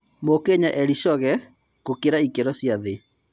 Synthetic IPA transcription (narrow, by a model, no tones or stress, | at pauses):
mokeɲaʔɛɾiʃɔɣɛ | kokeɾaikeɾɔsjaðe